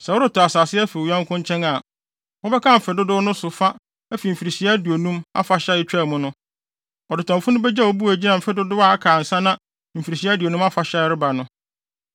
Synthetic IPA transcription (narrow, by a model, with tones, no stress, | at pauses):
sɛ˨wʊ˦ɾʊ˦tʰɔ˨a˨saː˨sɪ˦ɛ˦fi˨ɲã˦ŋkʰʊ̃˦ɲ˦t͡ɕʰɛ̃˦na˨ | wɔ˦bɛ˦kʰã˦˨m̩˨fɪ˨dʊ˦dʊ˦nʊ̃˦sʊ˨fa˦ | æ˦fi˨m̩˨fi˨ɾi˨ɕi˨a˦di˨o˨nũ˦ma̰˦fa˨ɕa˦ɪ˦t͡ɕᶣɛ˦˨mʊ̃˦nʊ̃˦ | ɔ˨dʊ˨tʰɔ̃˨mfʊ̃˦nʊ̃˦bɛ˦d͡ʑa˦ɔ˨bu˦æ˨d͡ʑi˦nã˨m̩˨fɪ˦dʊ˦dʊ˦wa˨a˦kʰaː˨n̩˨sã˦nã˦ | m̩˨fi˨ɾi˨ɕi˦a˦di˨o˨nũ˦ma˦fa˨ɕɛ˦ɪ˦ɾɪ˦ba˨nʊ̃˦